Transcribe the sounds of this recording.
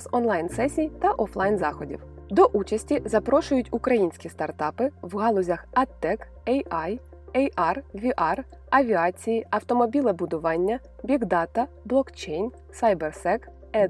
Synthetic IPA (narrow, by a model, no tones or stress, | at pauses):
zɔnlˠɑjnsɛsʲijt̪ɐʔɔflˠɑjnzɑxɔdʲḭwd̪ɔʔut͡ʃɐsʲtʲizɐpɾɔʃʊjʊtʲukɾɐjinʲsʲkʲist̪ɐrt̪ɑpɪwɦɑlˠɔzʲɐxɐt̪ːɛk | ɛjɑj | ɛjʔɑrʋʲiʔɑr | ɐʋʲiɑt͡sʲijiʔɐwt̪ɔmɔbʲilˠɛbʊd̪ʊʋɑnʲːɐ | bʲiɡd̪ɑt̪ɐ | blˠɔkt͡ʃejnʲ | sɐjbersɛk | ɛ